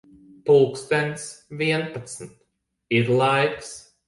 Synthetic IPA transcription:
puːkst̪ɛnʲt̪sviɛnpat̪snt̪ | iɾlˠajks

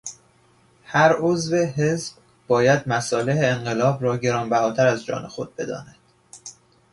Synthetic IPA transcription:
hæɾozve̞ɦezb | bɒːjæd̪mæsɒːleɦeːŋɢe̞lɒːbɾɒːɟe̞ɾɒːnbæhɒːt̪ʰæɾæzd͡ʒɒ̰ːnexo̞d̪̚be̞d̪ɒ̰ːnæd̪̥

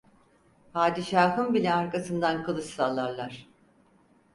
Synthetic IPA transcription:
pʰaːd̪iʃaːɦɯnbilʲɛaɾkasɯnd̪ankʰɯlˠɯʃsalˠːaɾlˠaɾ̥

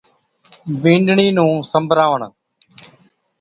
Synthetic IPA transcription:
bĩːɳɖɳiːnũːsəmbʱɾaːʋəɳ

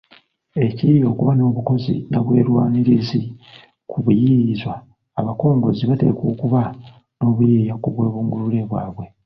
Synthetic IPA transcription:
e̞cijo̞ːkuβano̞ːβuko̞zḭnaβwe̞ːɾwaːniɾizi | kʰuβujiizwaː | βako̞ːŋɡo̞ziβate̞̰ko̞ːkuβa | no̞ːβujejakuβwe̞ːβuːŋɡulule̞βwa̰ːβwe̞

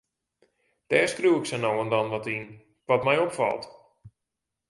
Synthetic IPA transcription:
d̥ɛːrskruwɪksɛnowəndɔnʋɔtin | ʋɔtmɛjopfɑ̰lˠt

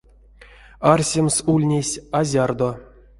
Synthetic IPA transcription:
arsʲemsulʲnʲesʲazʲard̪o

